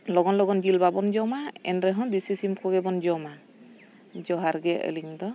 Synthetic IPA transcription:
lɔɡɔnlɔɡɔnd͡ʒilbabɔnd͡ʒɔmaɛ̰nɾɛɦɔnd̪isisimkʰɔɡɛbɔnd͡ʒɔma | d͡ʒɔɦaɾɡɛə̰liŋd̪ɔ

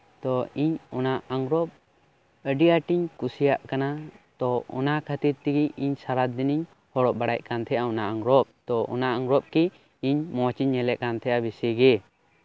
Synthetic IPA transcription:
t̪ɔiɲɔnaʔaŋɡɾɔp̚ | əɖijaʈiɲkusijaʔkanat̪ɔɔ̰nakʰət̪iɾt̪iɡiiɲsaɾad̪ːiniɲ | hɔɽɔʔbaɽac̚kant̪ʰɛʔaɔnaʔaŋɡɾɔp̚t̪ɔʔɔ̰naʔaŋɡɾɔp̚ki | iɲmɔ̃t͡ʃiɲːɛlɛʔkant̪ʰɛʔabisɛɡɛ

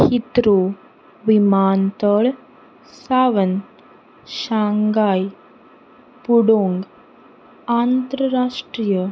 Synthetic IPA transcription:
hit̪ɾo | ʋimaːnt̪əɭ | saʋən | ʃaŋɡaːj | puɽoːŋɡ | ant̪ɾəɾaʂʈɾijə

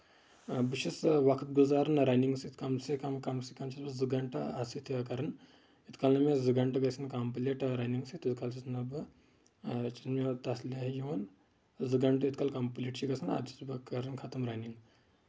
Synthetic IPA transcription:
biʃisʋɐkʰt̪̚ɡuzaːɾɐnɾaːjniŋɡsit̪kɐmsikɐmkɐmsikɐmt͡ʃʰisbɐzɨɡɐɳʈɐasit̪ʰibɐkɐɾɐn | it̪kalnɐmezɨɡɐɳʈɐɡɐsɨnkɐmpleʈɾajniŋɡsit̪it̪kalt͡ʃʰisnɐbɨ | t͡ʃʰismet̪ɐslʲaɦjiɐn | zɨɡɐɳʈɨit̪kalkɐmpleːʈt͡ʃiɡɐsɨna̰d̪ʰi̥t̪ʰbɐkɐɾɐnkʰɐt̪ɐmɾajniŋɡ

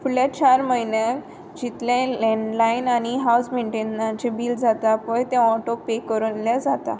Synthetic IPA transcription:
fuɭjat͡ɕaɾməɦinãk | d͡ʑit̪lẽlɛ̃ɳɖlainañiɦausmeɳʈenːat͡ɕebiːld͡zat̪apəjt̪jãɔʈok̚pekːəɾəljad͡zat̪a̰

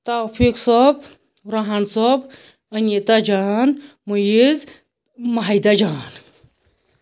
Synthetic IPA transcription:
t̪aːfʰiksɔb | ɾaɦɐnsob | ɐnit̪ad͡ʒaːn | mujiz | mɐɦɐjd̪ad͡ʒaːn

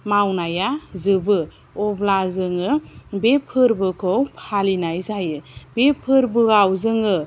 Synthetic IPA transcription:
mawnajazɯbɯ | ɔblazɯŋɯbepʰɯɾbɯkʰɔwpʰalinajzajɯbepʰɯɾbɯɡawzɯŋɯ

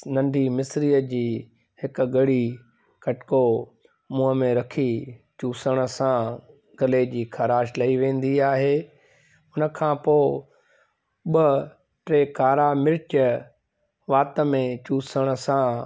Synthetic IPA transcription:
nɐ̃ɳɖʱimɪsɾiːəd͡ʑiː | hɪkɡɐɽi | kɐʈko | mũːɦəmẽɾɐkʰit͡ɕuːsəɽ̃ə̆sã | ɡɐled͡ʑiːkʰɐɾaːʃlɐiʋẽːn̆d̪iaːɦeː | ʊnə̆kʰãːpoː | ɓə | ʈɾeːkaːɾamɪɾɪtə | ʋaːt̪əmẽt͡ɕuːsəɽ̃ə̆sã

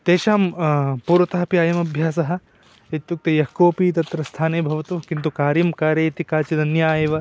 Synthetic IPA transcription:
t̪eːʃaːmpuːɾʋɐt̪aːpiaːjɐmɐbʱjaːsɐɦɐ̆ | et̪juk̚t̪ɐjɐkoːpiːt̪ɐt̪ɾɐst̪ʰaːneːbʱɐʋɐt̪ukint̪ukaːɾjɐmkaːɾjɐːt̪ikaːt͡ʃid̪ɐnjaːjeːʋɐ

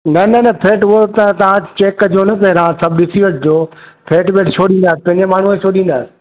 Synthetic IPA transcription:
nɐnɐnɐpʰeːʈʊot̪ɐt̪ɐʋ̤ãt͡ɕeːkd͡ʑoːnɐpɐɦɪɾãsɐbʱɪɗɪsiʋəʈ̚d͡ʑoːpʰeːʈbeːʈt͡ɕʰoːɗĩːn̆d̪aːsɪ̥pɐ̃ɪ̃ɲd͡ʑemaːɳ̤uet͡ɕʰoːɗĩːn̆d̪aːsɪ̥

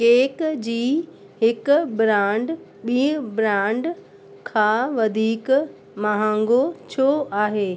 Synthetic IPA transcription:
keːkd͡ʑiː | hɪkbɾãːɳɖ | ɓiːbɾãːɳɖ | kʰãːʋɐd̪ʱiːk | mɐɦãŋɡot͡ɕʰoʔaːɦeː

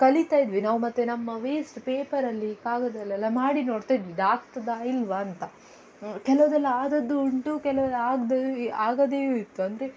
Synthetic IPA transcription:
kɐlit̪aːjid̪ʋinaːʋumɐt̪ːenɐmːɐʋeːsʈpeːpɐɾɐlːikaːɡɐd̪ɛlːɛlːɐmaːɽino̞ːɽt̪ajid̪ʋiɖaːkt̪ɐd̪aːilʋaːnt̪ɐ | kɛlɐʋɐd̪ɛlːɐaːd̪ɐd̪ːuuɳʈukɛlɐʋlːaːɡd̪eaːɡɐd̪eːjuit̪ːuɐnd̪ɐɾe̞

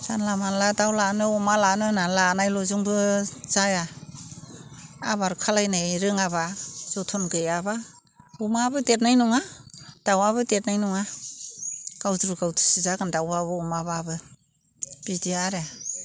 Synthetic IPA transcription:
z̥anlamanladawlanɯɔmalanɯnalanajlɔzuŋbɯz̥aja | a̰βaɾukʰalajnaɾɯŋaβaz̥ɔtʰɔnɡɯjaba | umabɯdet̚najnɔŋad̥awaβɯdet̚najnɔŋa | ɡ̥awdɾuɡawtʰɯ̥sizaɡandawaβɯɔmaβabɯ | b̥idiaɾa

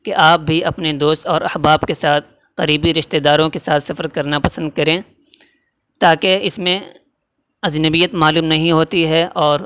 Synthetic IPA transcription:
keʔaːp̚bʱiɐpned̪oːst̪ɔːɾɐhbaːbkesaːt̪̚ʰ | qɐɾiːbiɾɪʃt̪ed̪aːɾõkesaːt̪ʰsɐfəɾkɐɾnapɐsə̃nd̪̚kɐɾẽː | t̪aːkeɪsmẽ | ɐznəbijət̪maːluːmnɐɦĩɦoːt̪iɦɛɔːɾ

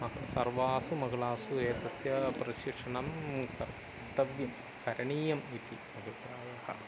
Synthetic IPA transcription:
ɐɐsɐrʋaːsumɐɡɐɭaːsuɾeːt̪ɐsjɐpɾɐʃikʂɐɳɐmkɐɾ | t̪ɐʋjɐm | kɐɾɐɳiːjɐmit̪imɐɡɐpɾaːɡɐhɐ̰

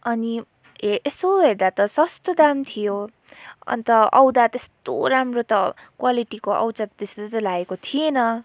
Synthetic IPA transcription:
ʌni | eʔesoɦeɾd̪at̪ʌsʌst̪od̪amt̪ʰijo | ʌ̰nt̪ʌʌ̰wd̪at̪est̪o̰ɾamrot̪ʌ | kwaliʈikoʔʌ̰wt͡sat̪t̪eset̪ʌlaɡekot̪ʰijenʌ

